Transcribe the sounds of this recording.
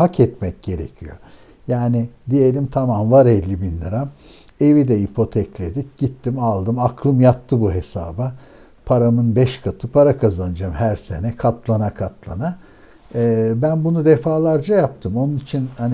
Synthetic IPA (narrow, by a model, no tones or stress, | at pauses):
hacʰɛt̪mɛc̚ɟ̥e̞ɾḛcʰijo̞̰ | jaːnɪd̪ije̞lʲimt̪ʰamamvaɾɛlʲːibinːʲaɾam | e̞vid̪ɛipʰo̞t̪ʰɛclʲe̞d̪ic̚ɟ̥it̪ːimalˠd̪ɯmakʰlˠɯmjat̪ʰːɯbuɦe̞sa̰ːba | pʰaɾamɯnbɛʃkʰat̪ʰɯpʰaɾakʰazanɯd͡ʒamhæɾse̞nɛkʰat̪lˠanakʰat̪lˠa̰na | bænbunud̪efaːlˠaɾd͡ʒajap̚t̪ʰɯmo̞nunit͡ʃʰinhani